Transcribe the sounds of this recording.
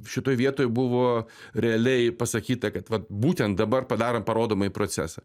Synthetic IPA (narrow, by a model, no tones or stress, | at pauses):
ʃʲɪt̪oːjʋʲiɛt̪oːjbʊʋoː | ɾʲɛɐlʲɛɪpɐsɐkʲiːt̪ɐkɐt̪ʋɐt̪̚buːt̪ʲɛnt̪̚d̪ɐbɐrpɐd̪ɑːɾɐmpɐɾoːd̪oːmɐjipɾoːt͡s̪ʲæ̰ːsɐ